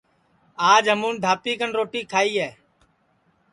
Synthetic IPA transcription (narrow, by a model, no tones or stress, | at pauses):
aːd͡ʒɦəmũːnd̪ʱaːpiːkənɾoːʈiːkʰaːiːɦɛː